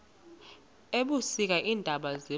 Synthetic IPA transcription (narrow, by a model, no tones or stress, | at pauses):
eɓusik̬aʔiːndʱaɓaze